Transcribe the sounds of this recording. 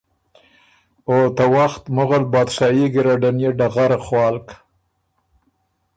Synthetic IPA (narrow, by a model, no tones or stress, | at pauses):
ot̪awaxt̪mʊɣalbɑːd̪ʃɑjiɡɪɾaɖanjeɖaɣaɾaχwɑːlk